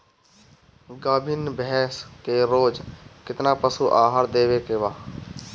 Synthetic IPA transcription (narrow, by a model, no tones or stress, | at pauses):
ɡaːbʱɪnbʱɛːskeɾoːd͡ʒkɪt̪napəsuʔaːɦəɾd̪eːʋekebaː